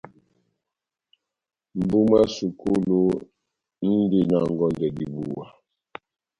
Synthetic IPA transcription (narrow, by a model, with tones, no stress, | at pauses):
m̩˨bu˦ma˦su˨ko˦lo˦ | n̩˦de˦˨na˨ŋ˨ɡɔ˦ndɛ˨di˨bu˨wa˨